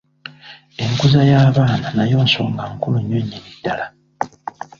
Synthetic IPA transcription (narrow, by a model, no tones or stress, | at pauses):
e̞ŋkuzajaːβaːnanajo̞ːnso̞ːŋɡaŋkuluɲːoɲːinid̥ːala